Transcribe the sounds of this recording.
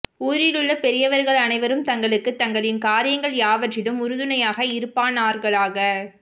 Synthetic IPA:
uːɾɪlɯɭːɐpɛɾɪjɐʋɐɾɣɐɭɐnɐɪʋɐɾɯmt̪ɐŋɡɐɭɯkːɯt̪ːɐŋɡɐɭɪnkaːɾɪjɐŋɡɐɭjaːʋɐʈrɪɽɯmʊɾɯðɯnɐjaːɣɐɪɾɯpːaːnaːɾɣɐɭaːɣɐ

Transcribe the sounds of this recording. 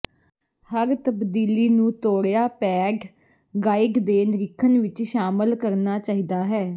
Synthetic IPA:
həɾt̪əbd̪iːliːnũːt̪oːɽjaːpɛːɡ | ɡaːɪɡd̪eːnɾɪkʰːənʋɪt͡ʃʃaːməlkəɾnaːt͡ʃaːɦiːd̪aːɦɛː

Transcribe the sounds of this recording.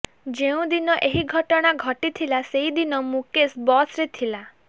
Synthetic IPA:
d͡ʒeũd̪inɔʔeɦiɡʱɔʈɔɽ̃aɡʱɔʈit̪ʰilaseɦid̪inɔmũkesbɔsɾet̪ʰila

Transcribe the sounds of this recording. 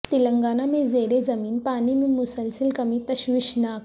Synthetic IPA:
t̪iləŋɡaːnamẽzeːɾezɐmiːnpaːnimẽmʊsəlsəlkɐmit̪ɐɕʋiʃnaːk

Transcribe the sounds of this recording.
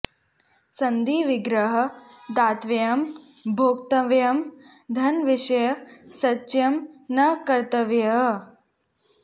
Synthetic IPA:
sɐnd̪iːʋiɡɾɐɦɐ̆ | d̪aːt̪ʋɐjɐm | bʱoːkt̪ɐʋjɐm | d̪ʱɐnʋiʂɐjɐsɐtːt͡ʃjɐmnɐkɐɾt̪ɐʋjɐɦ

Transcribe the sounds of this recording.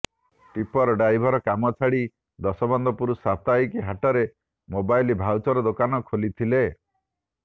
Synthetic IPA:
ʈipɔɾɔɖajbʱɔɾɔkamɔt͡ʃʰaɽi | d̪ɔsɔbɔnd̪ɔpuɾusat̪ajkiɦaʈɔɾe | mobajlibʱawt͡ʃɔɾɔd̪okanɔkʰolit̪ʰile

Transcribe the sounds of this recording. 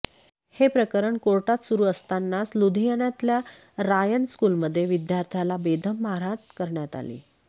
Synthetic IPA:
hepɾəkəɾəɳkoɾʈat̪suɾuːəst̪anːaslud̪ʱijəɳjat̪lja | ɾajəɳskulməd̪ʱːjeʋid̪jaɾt̪ʰjalabed̪ʱəmːaɾaʈkəɾɳjat̪a̰lḭː

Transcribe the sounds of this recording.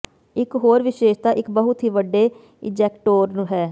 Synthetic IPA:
ɪkɦoːɾʋɪʃeːʃt̪aːʔɪkbəɦʊt̪ɦiːʋəɖːeː | ɪd͡ʒɛːkʈoːɾnũːɦɛː

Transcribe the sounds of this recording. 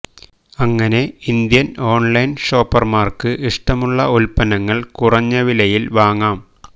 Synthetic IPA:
ɐŋːɐne̞ind̪jɐno̞ːɳlɐjnʂo̞ːpːɐrmaːrkɨʔiʂʈɐmuɭːɐulpɐnɐŋːɐɭkurɐɲːɐʋilɐjilʋaːŋːaːm

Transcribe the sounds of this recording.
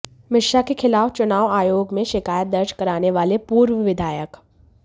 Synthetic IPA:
mɪʃakekʰɪlaːʋt͡ʃʊnaːʋaːjoːɡmẽʃɪkaːjət̪̚d̪ɐɾd͡ʒkɐɾaːneʋaːlepuːɾʋəʋɪd̪ʱaːjək

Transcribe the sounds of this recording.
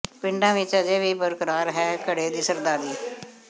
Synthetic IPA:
pɪɳɖãːʋɪt͡ʃəd͡ʒeːʋiːbəɾkəɾaːɾɦɛːkəɽeːd̪iːsəɾd̪aːɾiː

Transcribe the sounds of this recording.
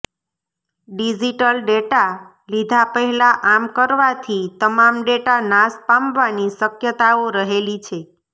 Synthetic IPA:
ɖid͡ʒiʈəlɖeʈa | lid̪ʱapəɦɛlaʔamkəɾʋat̪ʰit̪əmamɖeʈanaspãmʋanisəkjət̪aoɾəɦelit͡ʃʰe

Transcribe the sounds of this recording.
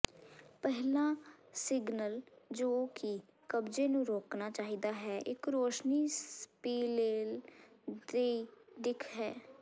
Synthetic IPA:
pɛɦlãːsɪɡnəld͡ʒoːki | kəbd͡ʒeːnũːɾoːknaːt͡ʃaːɦiːd̪aːɦɛːʔɪkɾoːʃniːspiːleːl | d̪eːd̪ɪkʰɦɛː

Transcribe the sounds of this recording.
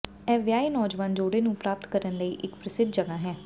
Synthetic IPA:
ɛːfjaːiːnɔːd͡ʒʋaːnd͡ʒoːɽeːnũːpɾaːp̚t̪kəɾənləiːʔɪkpɾəsɪd̪̚ʱd͡ʒəɡaːɦɛː

